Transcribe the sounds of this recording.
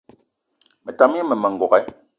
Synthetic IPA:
mɛ˨ta˨mi˦ɛ˦mɛ˨mɛ˨ŋ̩˨ɡɔ˨ɣɛ˦

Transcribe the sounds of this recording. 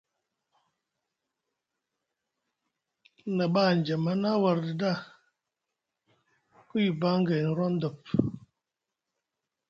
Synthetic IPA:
na˨ba˦˨n̩˨d͡ʒɛ˨ma˦na˦wa˨ɾdə˨da˦˨ | ku˦i˨ba˦ŋ˦ɡɛ˨n̩˨ɾɔ˦n̩˦də˨p̚

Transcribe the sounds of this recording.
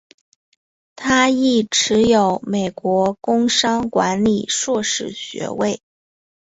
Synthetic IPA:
t̪ʰa˥i˥˩ʈ͡ʂʰɻ̩˧˥jo˨˩ʊme˨˩ɪkwɔ˧˥kʊ˥ŋʂɑ˥ŋkwa̰˧˥nli˨˩ʂwɔ˥˧ʂɻ̩˥˩ɕɥɛ̰˧˥we˥˩ɪ

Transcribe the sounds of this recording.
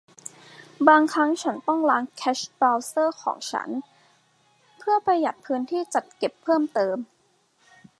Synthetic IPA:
baː˧ŋkʰɾa˦˥ŋt͡ɕʰa˦˥nt̪ɔ˥˩ŋlaː˦˥ŋkʰɛː˦˥ɕbɾaː˧wsɤː˥˩kʰɔ̰ː˩˦ŋt͡ɕʰa̰˦˥n | pʰɯ˥˩ɐpɾa˧ja˨˩t̪̚pʰɯː˦˥nt̪ʰiː˥˩t͡ɕa˨˩t̪̚ke˨˩pʰːɤː˥˩mt̪ɤː˧m

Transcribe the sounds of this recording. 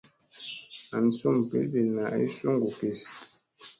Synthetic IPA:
a˨n̩˨so˦˨m˨pḛ˦lbe˨na˨ḛ˦su˦ŋɡu˨ke˨s

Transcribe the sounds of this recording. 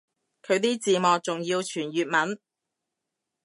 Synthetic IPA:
kʰɵ˨˧ɥt̪iː˥t͡siː˨˧mɔː˨k̚t͡sʊ˨ŋjiː˧wt͡ʃʰyː˨˩njyː˨t̚mɐ˨˥n

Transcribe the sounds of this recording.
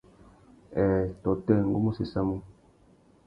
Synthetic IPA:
ɛ˨tɔ˨tɛ˦˨ŋ̩˨ɡo˦mu˦si˨sa˦mu˦

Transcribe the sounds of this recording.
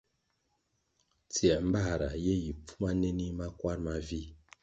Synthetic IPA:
t͡si˨a˨m̩˦ba˦˨ɾa˨je˦ji˨p͡fu˦ma˦ne˦ni˦ma˦kwa˦ɾma˦vi˦

